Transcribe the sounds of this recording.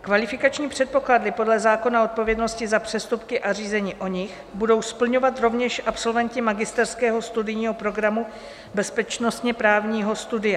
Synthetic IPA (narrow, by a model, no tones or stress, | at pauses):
kvalɪfɪkat͡ʃɲiːpr̥ɛt̪̚po̞kladlɪpo̞dlɛzaːko̞nao̞t̪̚po̞vjɛdno̞scɪzapr̝̥ɛst̪upkɪʔariːzɛɲiːʔo̞ɲɪx | budo̞wspl̩ɲo̞vat̪ɾo̞vɲɛʃʔapso̞lvɛncɪmaɡɪst̪ɛɾskɛːɦo̞st̪udɪjɲiːɦo̞pɾo̞ɡɾamu | bɛspɛt͡ʃno̞st̪ɲɛpɾaːvɲiːɦo̞st̪udɪja